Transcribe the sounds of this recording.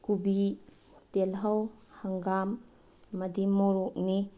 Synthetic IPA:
kubi | telɦawhaŋɡamː | ɐdimɔɾokni

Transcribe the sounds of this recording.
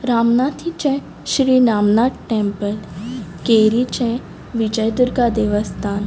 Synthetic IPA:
ɾaːmnaːt̪ʰit͡ʃɛ̃ | ʃɾiːnaːmnaːʈ̪ʈẽmpəlkeɾit͡ʃɛ̃ | ʋid͡ʒəjd̪uɾɡad̪eʋəst̪ʰaːn

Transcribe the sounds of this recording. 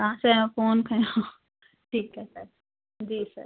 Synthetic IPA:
kɐɦãsẽfoːnkʰɐjo | ʈʰiːkɦɛsɐɾ | d͡ʒiːsə̰ɾ

